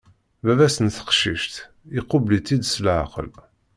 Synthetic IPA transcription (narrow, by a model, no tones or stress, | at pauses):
vævæsənθə̥qʃiʃt̪ | iqʊblit͡s̪ːid̪slʕa̰qə̰l